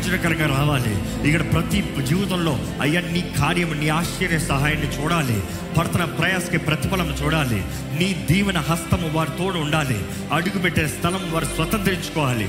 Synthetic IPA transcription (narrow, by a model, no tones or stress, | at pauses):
d͡ʒɐɾɐkɐɾɐŋɡɐɾaːʋaːlḭ | ikːɐɽɐpɾɐt̪id͡ʒiːʋɐt̪ɐmlo̞ː | ɐjːɐniːkʰaːɾjɐmniːaːʃɛɾjɐsɐɦaːjɐnːit͡ʃuːɽaːlḭ | bʱɐɾɐt̪ɐnɐpɾɐjaːsɐ̥kipɾɐt̪ipɐlɐmt͡ʃuːɽaːlḭ | niːd̪iːʋɐnɐɦɐst̪ɐmuʋaːɾit̪oːɽuuɳɖaːlḭ | ɐɽuɡupeʈːienɐst̪ʰɐlɐmʋaːɾisʋɐt̪ɐnt̪ɾiɲt͡ʃu̥kɔːʋaːlḭ